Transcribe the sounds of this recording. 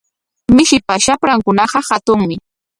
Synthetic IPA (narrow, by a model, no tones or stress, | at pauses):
mɪʃɪpaʃapɾaŋkʊnɑɢɑhat̪ʊŋmɪ